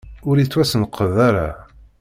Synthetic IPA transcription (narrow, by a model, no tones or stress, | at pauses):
ʊɾit͡sːwæsənqəðæɾa